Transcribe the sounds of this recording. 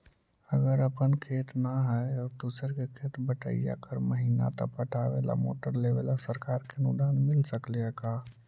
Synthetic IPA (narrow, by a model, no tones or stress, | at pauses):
əɡəɾəpənkʰeːt̪naɦɛɔd̪usəɾkekʰeːt̪bəʈə̰ija̰kʰəɾməɦiːna̰t̪ɔ̰pəʈʰaʋḛla̰mo̰ːʈəɾleʋelasəɾkaːɾkenʊd̪aːnmɪlsəkleɛkaː